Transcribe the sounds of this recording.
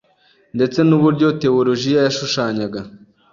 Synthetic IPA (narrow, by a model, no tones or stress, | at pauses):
nde̞t͡se̞nuβuɾɟo̞te̞olo̞ʒijajaʃuʃaːɲaɡa